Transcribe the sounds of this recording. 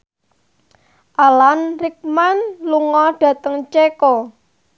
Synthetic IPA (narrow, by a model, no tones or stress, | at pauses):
ʔalanrik̚manluŋɔɖ̥ä̤t̪əŋt͡ʃeko